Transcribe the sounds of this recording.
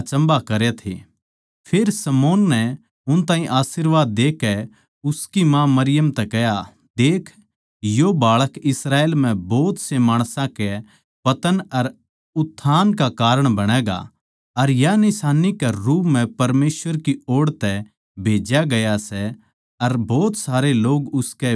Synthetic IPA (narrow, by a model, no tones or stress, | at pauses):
t͡ʃɐ̃mbakɐɾet̪ʰḛː | pʰeɾsɐmoːnːɛ | ʊnt̪ãːɦĩʔaːsiɾʋaːd̪ːeːkːɛ | ʊskimãmɐɾɪjəmt̪ɛkɛja | d̪eːkʰ | jobaːɭəkɪsɾaːeːlm̤ɛ̃bɔːt̪semaːɽ̃sãkɛ | pɐt̪ənɐɾ | ʊt̪ʰːaːnkakaːɾəɽ̃bɐɽ̃ɛːɡa̰ | ɐɾjanɪsaːnikɛɾuːpm̤ɛ̃pɐɾmeːsʋəɾkioːɽt̪ɛ | bʱeːd͡ʒjaɡɐjasɛ | ɐɾbɔːt̪saːɾeloːɡʊskɛ